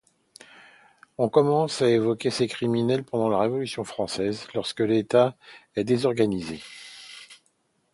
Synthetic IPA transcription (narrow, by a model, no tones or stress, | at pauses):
ɔ̃kɔmɑ̃saevɔkʲesekχiminɛlpɑ̃d̪ɑ̃laʁevɔlysjɔ̃fχɑ̃sɛzlɔʁskəlet̪aɛd̪ezɔʁɡanize